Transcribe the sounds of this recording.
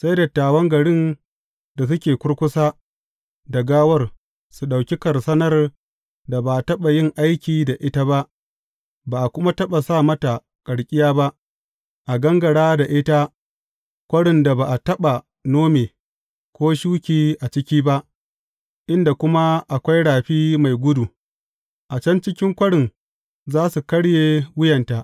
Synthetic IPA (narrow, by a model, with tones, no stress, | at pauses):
sa˦jda˨taː˨wɐ˦ŋɡɐ˨ɽɪ˦n | da˨s̬ʊ˦kʲeː˨kʷʊ˦ɽkʷʊ˦saː˦ | da˨ɡaː˦wɐ˦r | su˨ɗa˨wkʲi˦kɐ˨rsɐ˦nɐ˦r | da˨ba˨ʔa˨tɐ˦ɓa˨jɪ˦˨ŋʔa˦jkʲiː˨da˨ʔɪ˦ta˦ba˦ʔ | baː˨ʔa˨kʷʊ˦ma˦tɐ˦ɓa˨saː˦˨mɐ˦ta˨ | kʼɐ˨ɽkʲʼɪ˦jaː˦ba˦ʔ | ʔa˨ɡɐ˦ŋɡɐ˨ɽaː˦da˨ʔɪ˦ta˦ | kʷɐ˦ɽɪ˨nda˨baː˨ʔa˨tɐ˦ɓa˨ | noː˦meː˨ | kʷoː˦ʃuː˦kʲiː˨ʔa˨t͡ʃɪ˦kʲiː˦ba˦ʔ | ʔɪ˦nda˨kʷʊ˦ma˦ʔa˨kʷa˦jɽaː˨ɸiː˦ma˨jɡʷʊ˦du˨ | ʔa˨t͡ʃɐ˦nt͡ʃɪ˦kʲɪ˦ŋkʷɐ˦ɽɪ˨ŋ | zaː˦su˨kɐ˦ɽjeː˨wʊ˦jɐ˨nta˨ʔ